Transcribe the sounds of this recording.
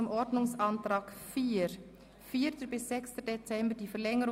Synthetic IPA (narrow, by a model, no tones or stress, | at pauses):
mʔɔɹdnʊŋsʔɑntɾaːkfiːɾ | fiːɐtəbɪsz̥ɛkstədet͡sɛmbədiːfɛlɛŋəɾ